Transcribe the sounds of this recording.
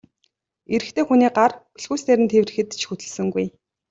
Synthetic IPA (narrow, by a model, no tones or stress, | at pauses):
eɾɘ̆xt̪ʰeːxuniːɢarpiɮxuːst̪eɾɘ̆nt̪ʰewrɘ̆xɘ̆t̪t͡ɕʰxut̪ɘ̆ɮsə̆ŋɡuj